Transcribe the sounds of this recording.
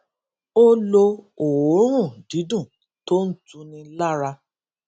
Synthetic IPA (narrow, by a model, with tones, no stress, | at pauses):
o˦lo˧o˨wõ˨˦ũ˦˨di˨˦dũ˦˨ | to˦n̩˦tũ˧nĩ˧la˦ɾa˧